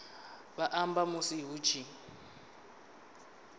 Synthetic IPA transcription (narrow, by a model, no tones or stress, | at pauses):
βaʔambamusiɦut͡ʃʰi